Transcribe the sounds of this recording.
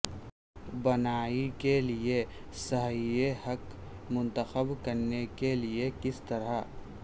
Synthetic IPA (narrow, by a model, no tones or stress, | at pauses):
bɐnaːikelie | səɦijehɐk | mʊ̃nt̪əxəbkɐɾnekeliekɪst̪ɐɾa